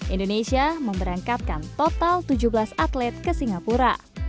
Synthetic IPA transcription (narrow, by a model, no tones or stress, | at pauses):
ʔindonesiaməmbəɾaŋkat̪̚kant̪ot̪alt̪ud͡ʒublasat̪lɛt̪̚kəsiŋapuɾa̰